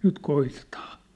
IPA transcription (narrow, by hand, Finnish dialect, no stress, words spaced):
nyt koitetɑːn